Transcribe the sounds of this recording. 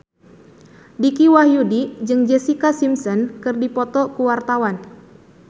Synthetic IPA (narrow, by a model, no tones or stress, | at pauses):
dikiwahjudid͡ʒɨŋd͡ʒɛsikasimsɔnkɨrdipɔt̪ɔkuwart̪awan